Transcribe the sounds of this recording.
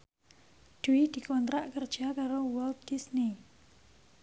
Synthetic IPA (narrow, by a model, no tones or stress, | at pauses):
d̪̥uwid̪̥i̤kɔnt̪ɾaʔkərd̥ʒ̥akaɾowɛlt̪̚ɡ̥isni